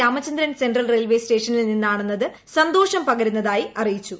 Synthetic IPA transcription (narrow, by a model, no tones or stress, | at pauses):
aːmɐt͡ɕːɐnd̪ɾɐnsenɖrɐlrelʋe̞ːsʈe̞ːʂɐnilninːaːɳenːɐðɨ | sɐnd̪o̞ːʂɐmpɐɣɐɾunːɐðaːjiʔɐrijit͡ɕːu